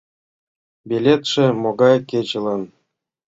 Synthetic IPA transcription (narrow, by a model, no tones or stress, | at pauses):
bʲelʲet̪ʂɘ̆moɡɑjkʲed͡ʑɘ̆lˠɤ̆n